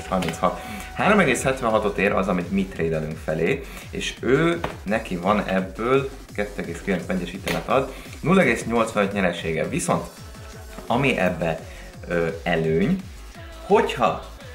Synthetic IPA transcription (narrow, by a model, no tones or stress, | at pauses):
shɒrminshɒt̪ | haːɾo̞mɛɡeːshɛt̪ʋɛnɦɒt̪o̞t̪eːɾʔɒ̰zɒmiɟmit̪reːd̪ɛlyŋkfɛleː | eːʃøːnɛkivɒnɛ̰bːøːl | kɛt̪ːøːɛɡeːskilɛnsmɛɲɟːɛʃiːt̪ːmɛt̪ɒd̪ | nulːɛɡeːsɲo̞lt̪sʋɒnøc̪ɲɛɾɛʃeːɡɛ̰viso̞nt̪ | ɒmiʔɛbːɛ | øːɛløːɲ | ho̞chɒ̰